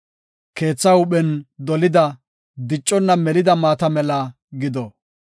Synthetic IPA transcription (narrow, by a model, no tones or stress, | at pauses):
ke̞ːt͡sːɐʊɓɛnd̪ɔlɪd̪ɐ | d̪ɪt͡ʃʼːɔnːɐmɛlɪd̪ɐmaːt̪ɐmɛlɐ | ɡɪd̪ɔ